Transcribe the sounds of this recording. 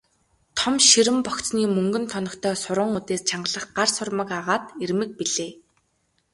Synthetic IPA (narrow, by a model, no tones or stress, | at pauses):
t̪ʰɔmʃiɾɘ̆mpɔkt͡sniːmɵŋɡɵ̆nt̪ʰɔnɞ̆kt̪ʰœːsʊɾə̆ːŋut̪eːst͡ɕʰaɴɢəɮə̆χɢarsʊrmə̆kaʁaːt̪ermɘ̆k̚piɮeː